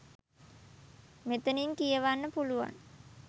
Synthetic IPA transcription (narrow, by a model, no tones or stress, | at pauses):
met̪əniŋkijəʋanːəpuluʋa̰ŋ